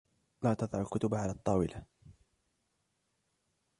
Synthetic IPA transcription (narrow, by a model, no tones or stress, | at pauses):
laːt̪ɑðˤʕɾlkʊt̪ʊbaʕalaːt̪ˤːɑːwɪlʔa